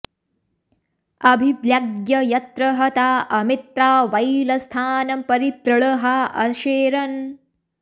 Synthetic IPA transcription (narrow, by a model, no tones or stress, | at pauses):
ɐbʱiʋjɐɡjɐjɐt̪ɾɐɦɐt̪aːʔɐmit̪ɾaːʋɐjlɐst̪ʰaːnɐmpɐɾit̪ɾɐɭɐɦɐʔɐʃeːɾɐn